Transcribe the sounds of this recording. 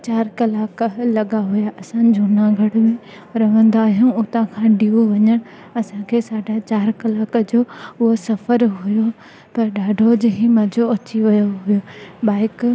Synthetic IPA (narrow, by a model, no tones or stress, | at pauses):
t͡ɕaːɾkɐlaːklɐɠaɦʊjaʔɐsãd͡ʑoːnãɡʱɐɽʊmẽ | ɾɐʋə̃nd̪aːɦijũːʊt̪ãkʰãːɗiːuʋɐɲəɽ̃ | ɐsãkʰeːsaːɖʱat͡ɕaːɾkɐlaːkd͡ʑoːʊɦosɐfəɾɦʊjo | pɐɾɗaːɖʱod͡ʑɪɦĩmɐd͡ʑʱoɐt͡ɕiʋɐjoɦʊjobaːɪk